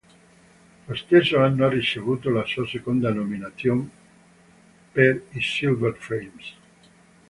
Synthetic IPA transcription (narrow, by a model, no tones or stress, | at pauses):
loest̪eɾsoanːoaret͡ʃeβut̪olasuasekond̪anominaθjom | peɾisilveɾfelms